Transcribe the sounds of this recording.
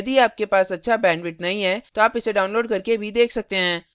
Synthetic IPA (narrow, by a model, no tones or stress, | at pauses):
ɐd̪iaːp̚kepaːsɐtːʃʰabɛ̃ːɳɖʋɪʈnɐɦĩɦɛːt̪oaːpɪseɖaːʊ̃nloːɖkɐɾkebʱid̪eːkʰsɐk̚t̪eɦɛ̃ː